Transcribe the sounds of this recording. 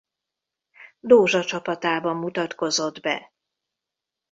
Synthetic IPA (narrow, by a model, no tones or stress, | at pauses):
d̪oːʒɒt͡ʃɒpɒt̪aːbɒmːut̪ɒt̪ko̞zo̞d̪bɛ̰